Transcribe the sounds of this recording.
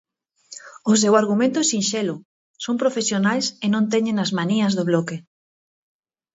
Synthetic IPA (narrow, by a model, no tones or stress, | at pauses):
ʊs̬ewaɾɣumẽnt̪ʊsinʃelʊ | sõwmpɾofesjonajsenõnt̪ɛɲẽnɐzmaniɐzðoβlɔke